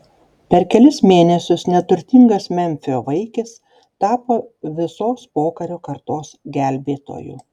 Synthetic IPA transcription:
pʲɛɾkʲɛlʲɪsmʲeːnʲɛsʲʊsnʲɛt̪ʊɾʲt̪ʲɪŋɡɐsmʲɛmʲfʲɪoːʋɐɪkʲɪs | t̪ɑːpoːʋʲɪsoːspoːkɐɾʲoːkɐɾt̪oːsɡʲɛlʲbʲeːt̪o̰ːjṵː

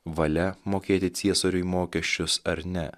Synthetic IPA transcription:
ʋɐlʲɛmoːkʲeːt̪ʲɪt̪sʲiɛsoːɾʲʊimoːkʲɛʃʲt͡ʃʲʊsɐɾnʲɛ

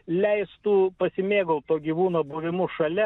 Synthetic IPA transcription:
lʲɛɪst̪uːpɐsʲɪmʲeːɡɐlˠt̪oːɡʲiːʋuːnoːbuːʋʲɪmʊʃɐlʲɛ

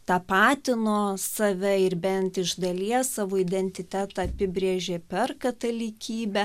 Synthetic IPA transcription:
t̪ɑːpɑːt̪ʲɪnoːsɐʋʲɛɪɾbʲɛnt̪ɪʒd̪ɐlʲiɛssɑːʋoːɪd̪ʲɛnʲt̪ʲɪt̪ʲæːt̪ɑɐpʲɪbʲɾʲeːʒʲeːpʲɛrkɐt̪ɐlʲɪkʲiːbʲɛ

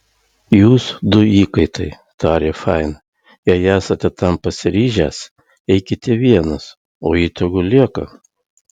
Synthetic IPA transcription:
juːsd̪ʊiːkɐɪt̪ɐɪ | t̪ɑːɾʲeːfɑɪn | jɛɪæːsɐt̪ʲɛt̪ɐmpɐsʲɪɾʲiːʒʲæːs | ɛɪkʲɪt̪ʲɛʋʲiɛnɐs | oːiːt̪ɐɡʊlʲiɛkɐ̰

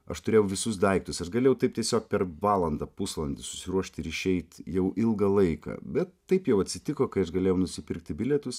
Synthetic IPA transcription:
ɐ̰ʃt̪ʊɾʲeːjɛʊʋʲɪsʊsd̪ɐɪkt̪ʊsɐʃɡɐlʲeːjɛʊt̪ɐɪp̚tʲiɛsʲoːk̚pʲɛɾʋɑːlˠɐnd̪ɐpʊslˠɐnʲd̪ʲɪsʊsʲɪɾuɔʃʲt̪ʲɪɾɪʃʲɛɪt̪jɛʊʔɪlˠɡɐlˠɐɪkɐ̰bʲɛt̪ːɐɪpjɛʊɐt̪ʲsʲɪt̪ʲɪkoːkɐɪɐʃɡɐlʲeːjɛʊnʊsʲɪpʲɪɾkt̪ʲɪbʲɪlʲɛt̪ʊs

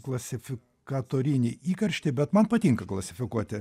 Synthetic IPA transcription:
klˠɐsʲɪfʲɪ | kkɐt̪oːɾʲɪnʲiʔiːkɐɾʲʃʲt̪ʲɪbʲɛt̪mɐnpɐt̪ʲiŋkɐklˠɐsʲɪfʲɪkuɔt̪ʲɪ

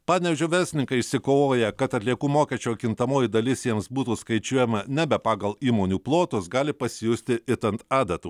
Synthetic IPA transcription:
pɑːnʲɛʋʲʒʲoːʋʲɛɾʲsʲɪnʲɪŋkɐɪɪʃʲsʲɪkoːoːjɛkɐt̪ɐt̪ʲlʲiɛkuːmoːkʲɛst͡ʃʲoːkʲɪnt̪ɐmoːjɪd̪ɐlʲɪsjɛmsbuːt̪uːskɐɪt͡ʃʲuɔjɛmɐnʲɛbʲɛpɑːɡɐlˠiːmoːnʲuːplˠoːt̪ʊsɡɑːlʲɪpɐsʲɪjʊsʲt̪ʲɪʔɪt̪ɐnt̪ɑːd̪ɐt̪uː

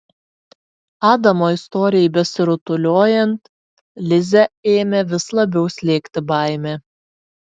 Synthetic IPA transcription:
ɑːd̪ɐmoːɪst̪ɔːɾʲɪjɛɪbʲɛsʲɪɾʊt̪ʊlʲoːjɛnt̪ | lʲɪzʲɛeːmʲɛʋʲɪslˠɐbʲɛʊsʲlʲeːkt̪ʲɪbɑˑɪmʲeː

